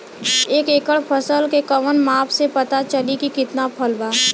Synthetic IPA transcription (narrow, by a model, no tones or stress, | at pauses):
eːkeːkəɭpʰəsəlkekɐʋənmaːpsepɐt̪at͡ʃəlikikɪt̪napʰəlbaː